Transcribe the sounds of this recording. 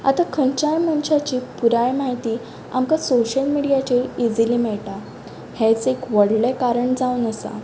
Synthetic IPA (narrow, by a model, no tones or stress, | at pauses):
a̰t̪akʰəɲt͡ɕajmənɕat͡ɕiːpuɾajmaɦit̪iː | a̰mkasoɕəlmiɽijat͡ɕeid͡ziliːmɛɭʈa | hɛ̃t͡sekʋəɽlɛkaɾəɳd͡zaunəsa̰